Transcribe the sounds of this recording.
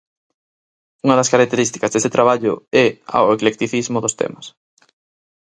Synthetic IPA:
uŋɐðɐskaɾak̚t̪eɾist̪i̥kɐzðeset̪ɾaβ̞aʎʊ̰ɛa̰weklek̚t̪iθizmʊðʊst̪ɛ̰mɐs

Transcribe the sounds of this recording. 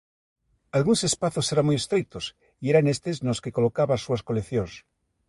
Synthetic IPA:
alɣuŋsespaθoseɾamujest̪ɾejt̪os | ieɾanest̪eznoskekolokaβasuaskoleθjõŋs

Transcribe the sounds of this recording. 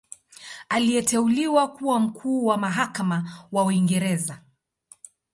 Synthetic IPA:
aliɛtɛuliwakuwam̩kʰuːwamaɦakamawauiŋɡɛɾɛza

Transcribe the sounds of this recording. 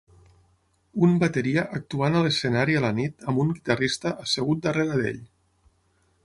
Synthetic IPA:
umbət̪əɾiəʔək̚t̪uanələsənaɾiələnit̪əmbuŋɡit̪arist̪əʔəsəɣut̪̚d̪əreɾəðḛʎ

